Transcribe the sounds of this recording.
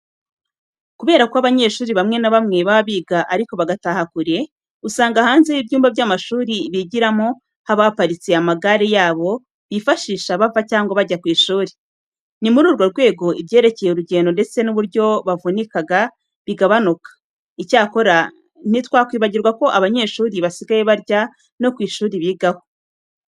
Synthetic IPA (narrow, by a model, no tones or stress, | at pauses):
kuβe̞ːɾakoaβaɲe̞ʃuːɾiβamŋe̞naβamŋe̞βaβiːɡaʔaɾiko̞βaɡatahakuɾe̞ | usaːŋɡahaːnze̞jibjuːmbabjamaʃuːɾiβiɟiɾamo̞ | haβapaɾit͡siamaɡaɾejaːβo̞ | βifaʃiːʃaβavacaːŋɡoβaɟakwiːʃuːɾi | nimuɾuːɾɡwoɾɡwe̞ːɡo̞ʔiβje̞ːɾe̞ce̞jeuɾuɟe̞ːndo̞nde̞t͡se̞nuβuɾɟo̞βavunikaɡa | βiɡaβanukḁ | icaːko̞ɾa | n̥itwaːkwiːβaɟiɾɡwako̞ʔaβaɲe̞ːʃuːɾiβasiɡaje̞βaɾɟa | no̞kwiːʃuːɾiβiːɡaho